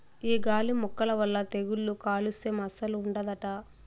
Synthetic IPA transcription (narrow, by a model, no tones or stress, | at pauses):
iːɡaːlimɔkːɐlɐʋɐlːɐt̪eɡuɭːukaːlusemɐsɐluːɳɖɐd̪ɐʈa